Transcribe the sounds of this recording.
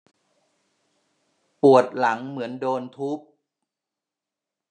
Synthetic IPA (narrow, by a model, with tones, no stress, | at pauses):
pu˨˩ət̪̚la˩˦ŋmɯ˩˦əndoː˧nt̪ʰu˦˥p̚